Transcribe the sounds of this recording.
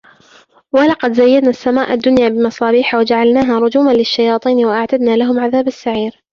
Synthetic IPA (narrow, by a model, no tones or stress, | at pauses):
wɑlɑqɑd̪zajːad̪naːsːamaːʔad̪ːʊnjaːbɪmɑsˤɑːbiːħawad͡ʒaʕalnaːɦaːɾˤʊd͡ʒuːmanlɪʃːajɑːt̪ˤiːnwaʔaʕt̪ad̪naːlaɦʊmʕaðaːbasːaʕiːɾ